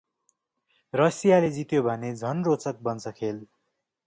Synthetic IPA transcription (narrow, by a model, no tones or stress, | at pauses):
rʌsijaled͡zit̪jobʱʌned͡zʱʌnrot͡sʌk̚bʌnt͡sʰʌkʰel